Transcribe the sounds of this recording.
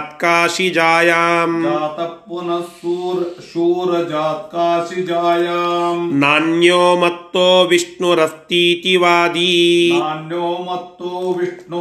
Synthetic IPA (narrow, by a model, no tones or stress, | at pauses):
t̪kaːʂid͡ʒaːjaːmd͡ʒaːt̪ɐpːunɐsuːɾʃuːɾɐd͡ʒaːt̪̚kaːʃid͡ʒaːjaːmnaːnjoːmɐt̪ːoːʋiʂɳuɾɐst̪iːt̪iʋaːd̪inaːnjoːmɐt̪ːoːʋiʂɳu